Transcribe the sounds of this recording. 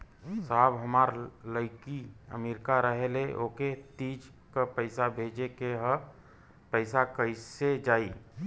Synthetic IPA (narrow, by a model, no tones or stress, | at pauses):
saːbɦəmaːɾləɪkiə̰miɾkaɾəɦeleʔoket̪id͡ʒ | kapəɪsabʱeːd͡ʒekeɦə | pəɪsakəɪsed͡ʒaːi